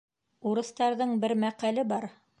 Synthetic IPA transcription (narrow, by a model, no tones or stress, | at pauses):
uɾɤ̆st̪ɑɾðɤɴbɘɾmæqælɘbɑɾ